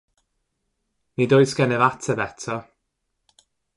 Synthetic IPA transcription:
nidojsɡɛnɛvatʰəbɛtʰɔ

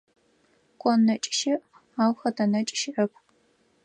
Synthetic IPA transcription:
kʷʼɔnːɐt͡ʃʼʃɪʔ | aːwxɐtɐnɐt͡ʃʼʃɪʔɐpʰ

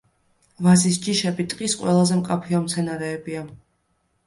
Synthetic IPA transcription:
vazis̬d͡ʒiʃɛbit̪ʼqʼisqʼwɛlˠazɛmqʼapʰiɔmt̪sʰɛnaɾɛːbia

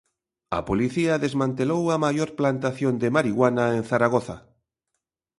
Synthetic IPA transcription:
a̰poliθiaðezmãnt̪elowamajoɾplant̪aθjond̪emaɾiɣwanaen̟θaɾaɣ̞oθa

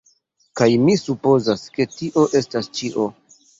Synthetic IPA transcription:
kajmisupo̞zaske̞tiʔo̞ʔe̞stast͡ʃiʔo̞

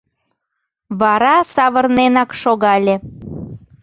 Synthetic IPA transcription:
βɑɾɑsɑβərnenɑkʃoɣɑlʲe

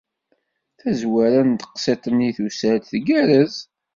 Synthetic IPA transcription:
θæzwæɾænt̪ə̥qset̪ˤəniθusəɾt̪θɡæɾəz

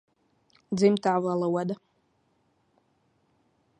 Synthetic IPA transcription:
d͡zimtʰaːvalawada

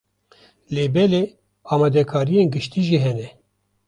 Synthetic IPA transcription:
leːbɛleː | ɑːmɑd̪ɛkʰaːɾijeːnɡɨʃt̪iːʒiːɦɛnɛ

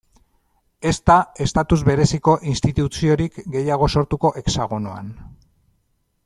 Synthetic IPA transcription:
e̞st̪ae̞st̪at̪uzβe̞ɾe̞siko̞ʔinst̪it̪ut͡sio̞ɾikɡe̞jaɣ̞o̞so̞ɾt̪uko̞ʔe̞ksaɣ̞unoa̰n

